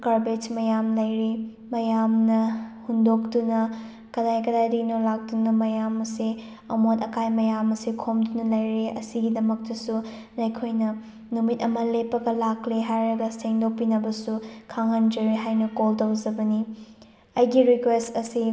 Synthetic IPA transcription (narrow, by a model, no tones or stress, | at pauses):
kaɾbet͡ʃmɐjamlɐjɾi | mɐjamnɐhundok̚tunɐ | kɐdajkɐdajdinolak̚tunɐmɐjamɐsi | ɐmotɐkajmɐjamɐsikʰomdunɐlɐjɾeɐ̰siɡidɐmɐk̚tɐsu | nɐjkʰojnɐ | numit̚ɐmɐlepːɐɡɐlakliɦajɾɐɡɐseŋdopinɐbɐsukʰaŋɐnd͡ʒɐɾeɦajnɐkoltɐwd͡ʒɐbɐni | ɐjɡiɾikwestɐsi